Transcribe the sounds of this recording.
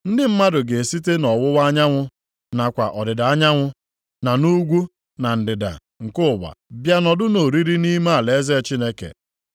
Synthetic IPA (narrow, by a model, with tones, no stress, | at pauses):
n̩˦dɪ˦m̩˦ma˦dʊ˨ɡe˨si˦t̬e˦nɔ˨wʊ˦wa˦ɲa˦ŋʷʊ˦ | na˨kʷa˨ʔɔ˨dɪ˨da˨a˦ɲa˦ŋʷʊ˦ | na˨nu˦ɡʷu˦ | na˨n̩˨dɪ˨da̰˨ | ŋ̩˨kʊ˦ʊ˨ba̰˨bja˦nɔ˨dʊ˦no˨ɾi˦ɾi˦ni˦ma˦a˨le˨e˦ze˦t͡ʃi˦ne˦kḛ˨